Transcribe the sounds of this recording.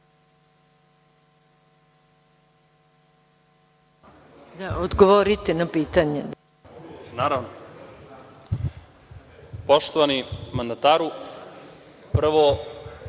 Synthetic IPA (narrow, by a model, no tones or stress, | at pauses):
d̪aod̪ɡoʋoɾit̪enapiːt̪aɲe | naɾaʋno | poʂt̪oʋanimand̪at̪aɾu | pr̩ʋo